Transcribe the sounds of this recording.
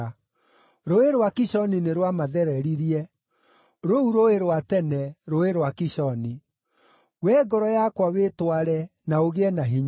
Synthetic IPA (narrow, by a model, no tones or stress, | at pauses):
ɾoeɾwakiɕɔnineɾwamaðɛɾɛɾiɾiɛ | ɾouɾoeɾowatɛnɛɾoeɾwakiɕɔni | wɛɡɔɾɔjakwawetwaɾɛnaoɣeɛnaɦiɲ